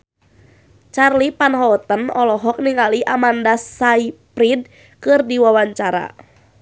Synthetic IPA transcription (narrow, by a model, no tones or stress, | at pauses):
t͡ʃarlipanɦɔt̪ənɔlɔɦɔk̚niŋaliʔamandasaipɾid̚ | kɨrdiwawaɲt͡ʃaɾa̰